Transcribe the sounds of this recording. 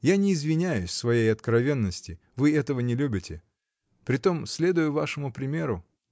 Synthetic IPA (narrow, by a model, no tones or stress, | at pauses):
janʲɪːzvʲɪnʲæjʊsʲsvɐjejɐt̪kɾɐvʲe̞nːəsʲtʲɪ | vɨɛt̪əvənʲɪlʲubʲɪtʲɪ | pɾʲɪt̪o̞msʲlʲe̞d̪ʊjʊvaʂɨmʊpɾʲɪmʲe̞ɾʊ